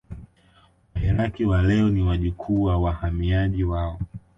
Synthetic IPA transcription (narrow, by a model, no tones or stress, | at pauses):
wahɛɾakiwalɛɔniwaʄukʰuːwawahamiaʄiwaɔ